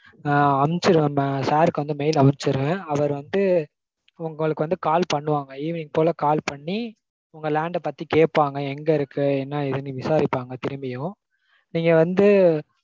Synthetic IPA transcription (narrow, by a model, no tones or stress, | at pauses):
ɐmt͡ʃɪɾɯʋẽːmsaːɾɯkːɯʋɐnd̪ɯmɛjɪlɐmɐɾt͡ʃɪɾɯʋẽːɐʋɐɾʋɐnd̪ɯ | ʊŋɡɐɭɯkːɯʋɐnd̪ɯkaːlpɐɳːɯʋaːŋɡɐiʋniːŋɡɐpoːlɐkaːlpɐɳːi | ʊŋɡɐlaːɳɖɛpɐt̪ːikeːʈ̚paːŋɡɐɛŋɡɐɪɾɯkːɯɛnːaːɪðɯniʋɪsaːɾɪpːaːŋɡɐt̪ɪɾɯmbɪjʊ̃ | niːŋɡɐʋɐnd̪ɯ